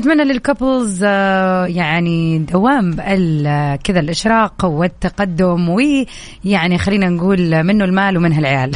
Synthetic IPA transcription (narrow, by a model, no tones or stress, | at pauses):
ʔat̪manːalɪlkʊplz | jaʕnid̪awːaːmbʔalkɪðalʔɪʃɾˤɑːqwɪt̪ːaqɑd̪ːʊmwi | jaʕnixalːiːnanɡuːlmɪnːʊlmaːlwmɪnɦalʕɪjaːl